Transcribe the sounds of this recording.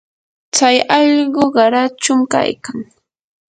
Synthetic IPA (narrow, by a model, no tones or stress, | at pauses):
t͡sajɑʎɢoɢɑɾat͡ʃʊmka̰jkaŋ